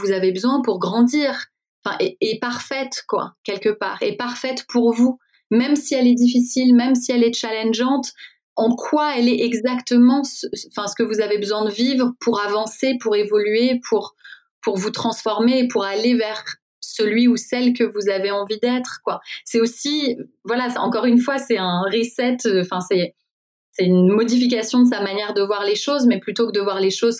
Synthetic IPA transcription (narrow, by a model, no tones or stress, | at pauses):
vuzavebəzwɛ̃puʁɡʁɑ̃d̪iːʁ | ɑ̃fɛ̰̃ʔeːpaʁfɛt̪kwa̰kʲɛlkəpa̰ːʁepaʁfɛt̪pʰuʁvu | mɛmsiɛlɛd̪ifisilmɛmsiɛlɛt͡ʃalɛ̃nʒɑ̃t̪ | ɑ̃kʰwaɛlɛʔɛɡzakt̪əmɑ̃sə̃fɛ̃sə̥kəvuzavebəzwɛ̃d̪əvivʁəpʰuʁavɑ̃sepuʁevɔlɥepʰuʁ | puʁvut̪χɑ̃sfɔʁmeːpʰuʁalevɛʁ | səlɥiusɛlkəvuzaveɑ̃vid̪ɛt̪χəkwasɛosi | vwalaɑ̰̃kɔʁynfwasɛɛ̃ʁisɛt̪fɛ̃sɛ | sɛynmɔd̪ifik̬asjɔ̃d̪əs̬amanjɛʁd̪əvwaʁleʃozmɛplyt̪okəd̪əvwaʁleʃoz